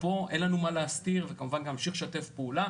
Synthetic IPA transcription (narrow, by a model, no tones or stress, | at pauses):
po̞ʔenlanumaleast̪iʁvekamuvanleamʃiχʃatefpeula